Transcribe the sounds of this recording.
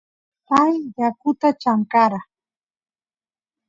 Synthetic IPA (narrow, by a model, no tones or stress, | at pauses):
pajjakʊt̪at͡ʃaŋkaɾa